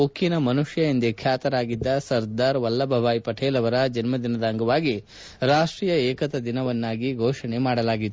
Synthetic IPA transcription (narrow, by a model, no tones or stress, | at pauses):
okʰːinɐmɐnuʂjɐind̪ekʰjaːt̪ɐɾaːɡid̪ːɐsɐɾd̪aːɾʋɐlːɐbʱɐʋaːjpɐʈʰeːlɐʋɐɾɐd͡ʒɐnmɐd̪inɐd̪ɐŋɡɐʋaːɡi | ɾaːʂʈɾiːjɐɛːkɐt̪ɐd̪inɐʋɐnːaːɡiɡʱɔːʂɐɳemaːɽɐlaːɡid̪ː